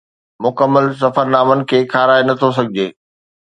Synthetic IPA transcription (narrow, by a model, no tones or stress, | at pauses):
mʊkəmːəls̬ɐfəɾnaːmənɪ̆kʰeːkʰaːɾaːenɐt̪ʰos̬ɐɡʱɪd͡ʑeː